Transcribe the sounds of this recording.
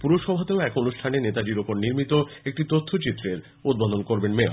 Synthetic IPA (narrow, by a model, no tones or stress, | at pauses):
puɾoʃɔbʱat̪eoɛkonuʃʈʰanenet̪ad͡ʑiɾopoɾniɾmit̪oek̚ʈit̪ot̪ʰːot͡ɕit̪ːɾeɾ | ud̪̚bod̪onkoɾbenmeo̰